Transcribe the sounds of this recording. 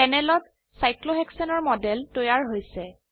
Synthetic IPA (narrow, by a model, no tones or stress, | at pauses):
ɛnɛlɔt | sajkloɦɛksɔnɔɹmɔdɛltojaɹɦojsɛ